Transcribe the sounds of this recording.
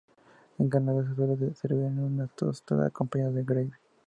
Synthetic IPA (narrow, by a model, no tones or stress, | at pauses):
eŋɡanaðas̬es̬weleðeseɾβenunat̪ost̪a̰ða̰kompaɲaððeɡɾajβ